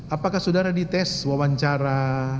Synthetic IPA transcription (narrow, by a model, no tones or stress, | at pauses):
apakahsudaɾadit̪ɛswawaɲt͡ʃaɾa